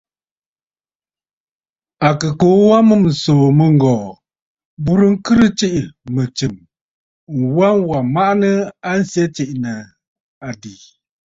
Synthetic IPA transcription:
a˨kɨ˨ko˨˦wa˦mɨ˦˨m̩˨soː˨mə˦ŋ̩˨ɡɔː˨ | bu˦ɾɨ˦ŋ̩˦kɨ˦ɾɨ˦t͡ʃi˦ʔmə˨t͡ʃɨ˨m | ŋ̩˨wa˦nwa˨ma˦ʔnə˦a˦n̩˦sjɛ˦t͡ʃi˨ʔnə˨ | a˨di˨

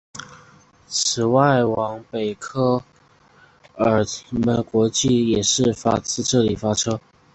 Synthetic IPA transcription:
t͡sʰɹ̩˨˩wa˥˩ɪwɑ˧˥ŋpe˨˩ɪkʰɤ˥ | ə˞˨˩t̪ʰi˨˦də˧kwɔ˧˥t͡ɕi˥˩jɛ˨˩ʂɻ̩˥˩fa̰˥t͡sʰɹ̩˥ʈ͡ʂɤ˥˩li˨˩fa˥ʈ͡ʂʰɤ˥

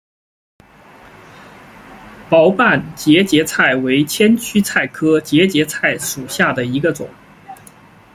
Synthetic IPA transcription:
pɑ˧˥ʊpa˥˩nt͡ɕjɛ˧˥t͡ɕjɛ˧˥t͡sʰa˥˩ɪwe˧˥ɪt͡ɕʰjɛ˥nt͡ɕʰy˥t͡sʰa˥˩ɪkʰɤ˥t͡ɕjɛ˧˥t͡ɕjɛ˧˥t͡sʰa˥˩ɪʂu˨˩ɕja˥˩d̪ə˩i˧˥ɡə˧t͡sʊ̰˨˩˦ŋ

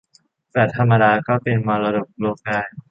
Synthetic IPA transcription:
t̪ɛː˨˩t̪ʰa˧mːa˧daː˧kɔː˥˩pe˧nmɔ˧ɾa˧do˨˩p̚loː˧kaː˧n

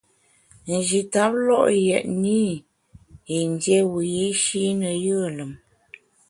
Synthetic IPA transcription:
n̩˨d͡ʒi˨ta˨˦p̚lɔ˦˨ʔjɛ˨ʔni˦ | i˨n˦djɛ˦wu˨ji˦ʃi˦nə˨jə˦˨lə˨m

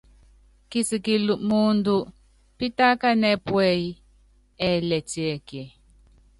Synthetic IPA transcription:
ki˦˨si˨ki˨lu˨mu˦ndu˦ | pi˦ta˦ka˦nɛ˦pwɛ˦i˦ | ɛ˦˨lɛ˨ti˨ɛ˨kɛ˨

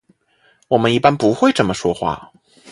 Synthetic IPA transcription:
wɔ˨˩mə˦ni˥˩pa˥npu˧˥xwe˥˩ɪʈ͡ʂə˥˩nmə˧ʂwɔ˥xwa̰˥˩

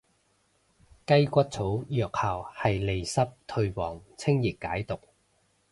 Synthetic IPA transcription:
kɐ˥jkʷɐ˥t̚t͡sʰo˨˥wjœː˨k̚haː˨˩whɐ˨jle˨˩jsɐ˥p̚t̪ʰɵ˧ɥwɔː˨˩ŋt͡sʰɪ˥ŋji˨˩kːaː˨˥jt̪ʊ˨k̚

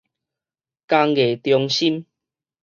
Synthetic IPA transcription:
ka˧ŋɡe˨˩t̪jɔ˧ŋɕi˦m

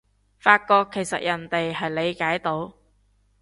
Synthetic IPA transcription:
faː˧t̚kɔː˧kʰːe˨˩jsɐ̰˨t̚jɐ˨˩nt̪e˨jɦɐ˨jle˨˧jkaː˨˥jt̪o˨˥w

